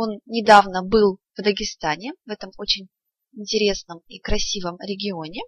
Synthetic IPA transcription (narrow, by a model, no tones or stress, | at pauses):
o̞nnʲɪd̪avnəbɨlˠv̥d̪əɡʲɪst̪anʲɪvɛt̪əmot͡ɕɪnʲ | ɪnʲtʲɪɾʲe̞snəmikɾɐsʲivəmɾʲɪɡʲɪo̞nʲɪ